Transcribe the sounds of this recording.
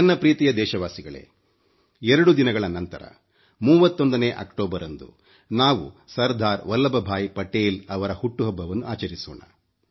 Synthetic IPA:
ɐnːɐpɾiːt̪ijɐd̪ɛːʃɐʋaːsiɡɐɭḛː | ɛɾɐɽud̪inɐɡɐɭɐnɐnt̪ɐɾɐ̰ | muːʋɐt̪ːond̪ɐne̞ʔɐ̰kʈoːbɐɾɐnd̪ṵ | naːʋṵsɐɾd̪ʱaːɾʋɐlːɐbɐbʱaːjpɐʈeːlɐʋɐɾɐhuʈːuɦɔbːɐʋɐnːuaːt͡ʃɐɾisṵːɳɐ̰

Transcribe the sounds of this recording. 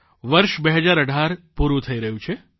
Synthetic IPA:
ʋəɾʃbeɦəd͡ʒaɾəɖʱaɾpuɾũt̪ʰəiɾəɦũt͡ʃʰe

